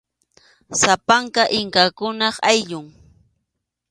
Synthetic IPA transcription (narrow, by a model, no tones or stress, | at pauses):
sapaŋkaʔɪŋkakʊnɑχajʎʊŋ